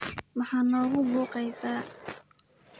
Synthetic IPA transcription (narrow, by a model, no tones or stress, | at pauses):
wɑħɑːnɔːɣʊbuːqɛjsaː